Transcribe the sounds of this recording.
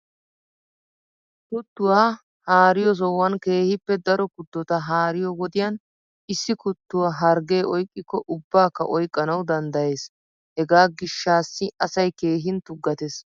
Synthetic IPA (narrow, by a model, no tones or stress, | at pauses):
t̪ʊt̪ːʊwaː | haːɾɪjɔs̬ɔwːɐnke̞ːhɪpːɛd̪ɐɾɔkʊd̪ːɔt̪ɐɦaːɾɪjɔwɔd̪ɪjɐn | ɪsːɪkʊt̪ːʊwaɦɐɾɡe̞ːʔɔjkʼːɪkːɔʔʊbːaːkːɐ̰ʔɔjkʼːɐnɐwd̪ɐnd̪ɐje̞ːs | hɛɡaːɡɪʃːaːsːɪʔɐsɐjke̞ːɦɪnt̪ʊɡːɐt̪ɛs